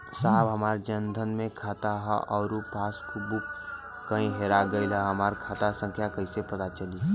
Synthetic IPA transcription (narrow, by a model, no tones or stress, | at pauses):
saːbɦɐmaːɾd͡ʒənd̪ʱənmẽkʰaːt̪aɦɛʔɔːɾupaːskubʊk | kəĩɦeːɾaɡɐilɛɦɐmaːɾkʰaːt̪asə̃ŋkʰjakɐisepɐt̪at͡ʃɐli